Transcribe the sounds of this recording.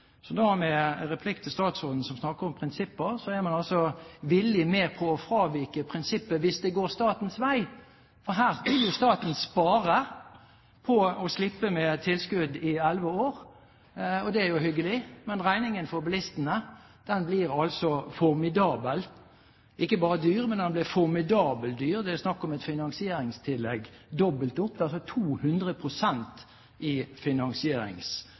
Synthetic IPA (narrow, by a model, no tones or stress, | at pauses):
sɔd̪omɛɾɛpʰlɪkt̪ʰɪst̪ɑːt̪soːd̪n̩sɔmsnɑkːəɾɔmpʰʁɪnsɪpːəʁsɔæɾmɑnɑlsɔʋɪlːɪmeːpʰɔːfɾɑːʋɪkəpʰʁɪnsɪpːəʋɪsd̪ɛɡoːɾst̪ɑːt̪n̩sʋæɪ | fɔɾɦæːʁsbɪljʊst̪ɑːt̪n̩spɑːʁə | pʰɔɔslɪpːəmɛt̪ʰɪlskʉd̪ɪɛlʋəoːɾ | ɔd̪ɛæɾjʊhʏɡːəlɪmɛnʁæɪnɪŋənfɔɾbəlɪst̪ənə | d̪̥ɛnbliːʁɑlsɔfɔɾmɪd̪ɑːbəl | ʔɪkːəbɑːʁəd̪yːʁmɛnd̪ɛnblɪfɔʁmɪd̪ɑːbəld̪yːʁd̪ɛæsnɑkːɔmɛt̪fɪnɑŋsɪeːɾɪŋst̪ʰɪlːɛɡd̪ɔbəlt̪ʊpːd̪ɑlsɔt̪ʰuːhʉnd̪ʁəpʰʁʊsɛnt̪ | ʔɪfɪnɑŋsɪeːɾɪ̰ŋs